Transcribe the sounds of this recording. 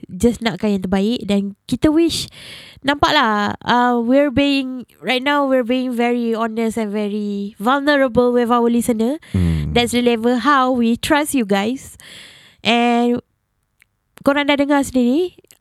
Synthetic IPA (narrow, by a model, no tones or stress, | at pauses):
d͡ʒasnat̚kajə̃nt̪ubaik̚dɛ̃nkit̪əwiʃnãmpaʔlaamwiɹbiɪ̃ŋɹajt̚nãwwiəbiĩŋvɛɹiɔnəsɛ̃nvɛɹivalnəɹəbəlwivawəlisənədɛtsɹiəliɛvəɦawwitʰɹasjuɡajs | ʔɛn | koɾãndadəŋasə̃ndidi